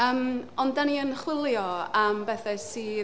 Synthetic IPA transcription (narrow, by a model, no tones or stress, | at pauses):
əːmɔndaniənχwɪlˠjɔəmbɛθɛsiː